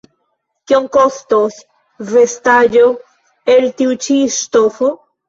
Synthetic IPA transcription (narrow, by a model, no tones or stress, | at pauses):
kjoŋkost̪os | vest̪aʎo | elt̪iwt͡ʃist̪ofu